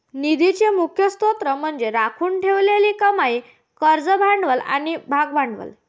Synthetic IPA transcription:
nid̪it͡ɕemukʰjəst̪ot̪ɾəm̤əɳd͡zeɾakʰuːɳʈʰeʋleliːkəmai | kəɾd͡zəbʱaɳɖʋəla̰ñibʱaɡbʱaɳɖʋə̰l

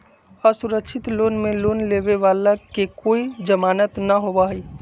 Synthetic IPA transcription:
əsuɾəkʃʰɪt̪loːnmẽloːnleːʋeʋaːlakekoːid͡ʒəmaːnət̪nəɦobaɦiː

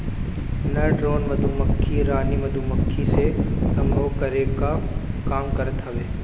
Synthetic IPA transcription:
nɐɖɾoːnʋɐd̪ʱumɐkʰːiɾaːnimɐd̪ʱumɐkʰːisesɐ̃mbʱəʋkɐɾekakaːmkɐɾət̪ɦɐʋeː

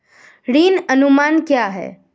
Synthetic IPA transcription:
ɾiːnənumaːnkjaɦɛ̰ː

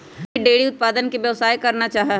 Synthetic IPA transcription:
ɖeːɽiʊt̪̚paːd̪ənkiʋjɐʋsaːjkɐɾnat͡ʃaːɦa

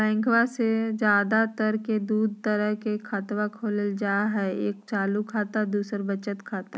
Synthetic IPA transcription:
ɛ̃ːŋkʰwased͡ʒjaːd̪at̪əɾked̪uːd̪̚ʱt̪əɾəɦkekʰat̪ʋakʰoːləld͡ʒaːɦɛeːk̚t͡ʃaːlukʰaːt̪ad̪uːsəɾbət͡ʃət̪kʰaːt̪a

